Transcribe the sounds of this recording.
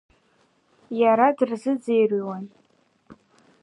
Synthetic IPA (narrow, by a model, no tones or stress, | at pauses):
jaɾadɨrzɨd͡zejriwan